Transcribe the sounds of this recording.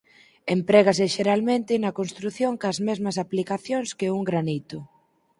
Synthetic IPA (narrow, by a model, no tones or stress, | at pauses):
empɾɛɣas̬ɪʃeɾalmẽnt̪ɪnɐkonst̪ɾuθjoŋkɐzmɛzmɐs̬aplikaθjoŋskeuŋɡɾanit̪ʊ